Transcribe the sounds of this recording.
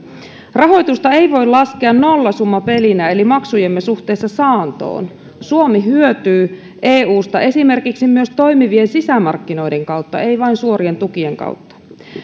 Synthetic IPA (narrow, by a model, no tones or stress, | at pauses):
rɑɦo̞jt̪ust̪ɑe̞jʋo̞jlɑskeɑnno̞lːɑsumːɑpe̞linæelimɑksujemːesuht̪eːsːɑsɑːnt̪o̰ːn | suomiɦyøt̪yː | ʔeːuːst̪ɑʔe̞sime̞rkiksimyøst̪o̞ijmiʋiensisæmɑrkːino̞jde̞ŋkɑut̪ːɑ̰e̞iʋɑinsuoɾie̞nt̪ukie̞ŋkɑ̰wt̪ːɑ̥